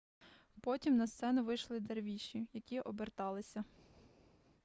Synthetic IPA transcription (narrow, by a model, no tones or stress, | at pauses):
pɔtʲimnɐst̪sɛnʊʋɪjʃlˠɪd̪erʋʲiʃijɐkʲiʔɔbert̪ɑlˠɪsʲɐ